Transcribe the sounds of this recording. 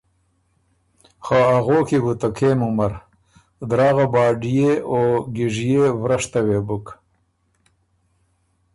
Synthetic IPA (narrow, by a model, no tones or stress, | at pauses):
xaaɣoːkibut̪akʰeːmumɐɾ | d̪ɾaːɣabɑːɖijeoːɡiʐijevɾaʂt̪ɐwebuk